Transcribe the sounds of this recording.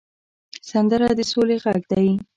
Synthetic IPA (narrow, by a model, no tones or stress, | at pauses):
sand̪əɾad̪əsoleɣaɡd̪aji